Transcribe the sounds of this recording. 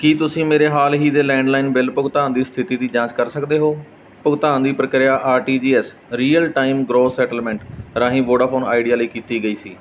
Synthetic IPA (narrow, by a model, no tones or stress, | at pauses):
kiːt̪ʊsĩːmeːɾeːɦaːlɦiːd̪eːlɛ̃ːɳɖlaːinbɪlpʊɡt̪ãːnd̪iːst̪ʰɪt̪iːd̪iːd͡ʒãːt͡ʃkəɾsəkd̪eːɦoː | pʊɡt̪aːnd̪iːpɾəkɾɪjaːʔaːɾʈiːd͡ʒiːɛːs | ɾiːəlʈaːimɡɾoːsɛːʈəlmɛ̃ːɳʈɾaːɦĩːboːɖaːpʰoːna̰ːɪɖijaːləiːkiːt̪iːɡəiːsiː